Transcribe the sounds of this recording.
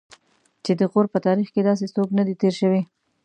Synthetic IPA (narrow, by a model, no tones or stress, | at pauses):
t͡ʃed̪əɣoɾpət̪ɑɾixked̪ɑs̬esoknad̪it̪eɾʃəwe